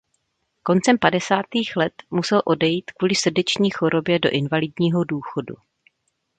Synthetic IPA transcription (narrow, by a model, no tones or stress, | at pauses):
ko̞nt͡sɛmpadɛsaːt̪iːxlɛt̪musɛlʔo̞dɛjiːt̪kvuːlɪsr̩dɛt͡ʃɲiːxo̞ɾo̞bjɛdo̞ʔɪnvalɪdɲiːɦo̞duːxo̞dṵ